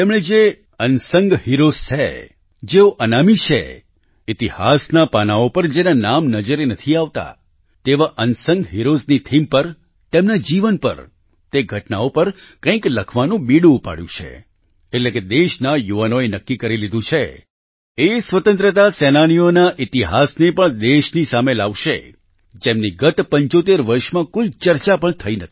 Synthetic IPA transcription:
t̪emɳed͡ʒe | ənsəŋɡhiɾozt͡ʃʰḛ | d͡ʒeoʔənamit͡ʃʰḛ | ɪt̪ihasnapanaopəɾd͡ʒenanamnəd͡ʒəɾenət̪ʰiaʋt̪a̰ | t̪eʋaʔənsə̃ŋɡɦiɾoznit̪ʰimpəɾ | t̪emnad͡ʒiʋənpə̰ɾ | t̪eɡʱəʈna̰opəɾkə̃ĩkləkʰʋanũbiɽũːpa̰ɽjṵ̃t͡ʃʰḛː | ʈleked̪eʃnajuʋanoenəkːikəɾilid̪ũt͡ʃʰe | esʋət̪ə̃nt̪ɾət̪asenaɽ̃ionaʔit̪iɦasnepəɳd̪eʃnisamelaʋʃḛ | d͡ʒemniɡət̪pəɲt͡ʃot̪eɾʋəɾʃmãkoit͡ʃəɾt͡ʃapəɳt̪ʰəinət̪ʰi̥

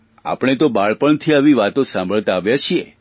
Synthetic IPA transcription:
a̰pɳ̃et̪obaɭpəɳət̪ʰiaʋiʋat̪õsãmbʱəɭt̪aːʋjat͡ʃʰie

